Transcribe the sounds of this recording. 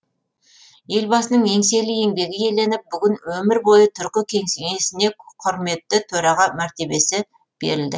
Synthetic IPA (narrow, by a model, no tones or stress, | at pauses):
je̞lbɑsənəɴe̞ŋse̞lɪje̞ŋb̪e̞ɡʲɪje̞le̞nɪp̚bʏɡʲɪnwɵmɪɾbo̞jət̪ʰʏɾkʲɪkʲʰe̞ŋseŋe̞sɪne̞qʰʊɾme̞t̪ːɪt̪ʰɵɾɑʁɑmæɾt̪e̞be̞sɪ | b̥e̞̰ɾɪld̪ɪ̰